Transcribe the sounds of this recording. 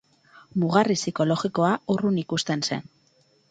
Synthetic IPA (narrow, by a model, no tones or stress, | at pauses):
muɣarisiko̞lo̞ɣiko̞aurunikust̪e̞nse̞̰n